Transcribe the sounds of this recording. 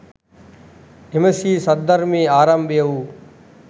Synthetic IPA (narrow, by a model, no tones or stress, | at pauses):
ɪməsiːsəd̪əɾmẽːaːɾəmɓeːuː